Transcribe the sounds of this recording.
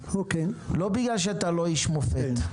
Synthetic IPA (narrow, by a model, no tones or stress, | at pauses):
okelobiɡlalʃ̬eat̪aloiʃmofet̪